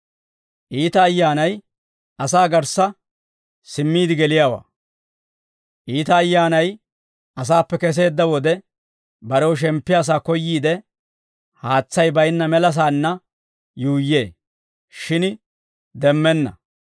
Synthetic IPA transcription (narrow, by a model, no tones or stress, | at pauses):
ʔiːt̪ɐːjːaːnɐj | ʔɐsaːɡɐɾsɐ | sɪmːiːd̪ɪɡɛlɪjaːwa̰ː | ʔiːt̪ɐːjːaːnɐj | ɐs̬aːpːɛkɛs̬e̞ːd̪ːɐwɔd̪ɛ | bɐɾɛwʃ̬ɛmpːɪjaːs̬aːkɔjːiːd̪ɛ | haːt͡sːɐjbɐjnːɐmɛlɐs̬aːnːɐ | juːjːe̞ː | ʃɪn | d̪ɛmːɛnːɐ̰